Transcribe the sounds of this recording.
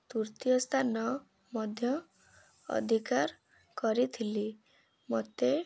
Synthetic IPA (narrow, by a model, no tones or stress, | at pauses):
t̪uɾt̪ijɔst̪ʰanɔ | mɔd̪ʱjɔ | ɔ̰d̪ʱikaɾ | kɔɾit̪ʰili | mɔt̪e